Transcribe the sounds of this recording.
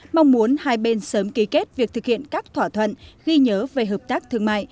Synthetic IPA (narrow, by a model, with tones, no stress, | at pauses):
ma˧wŋ͡mmu˨˦ənhaː˧jɓe˧nsəː˨˦mki˨˦ke˦˥t̚vi˨˩ək̚t̪ʰɨ˨˩k̚hḭ˧˨ənkaː˦˥k̚t̪ʰwaː˧˩t̪ʰwə̰˧˨nɣi˧ɲəː˨˦ve˨˩ɦəː˨˩p̚t̪aː˦˥k̚t̪ʰɨ˧˩əŋma̰ː˧˨jʔ